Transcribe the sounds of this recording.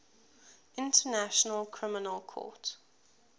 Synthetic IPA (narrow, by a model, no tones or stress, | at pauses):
ɪ̃ntʰənaʃənəlkʰɹ̥ɪmɪnəlˠkʰɔ̰ˑt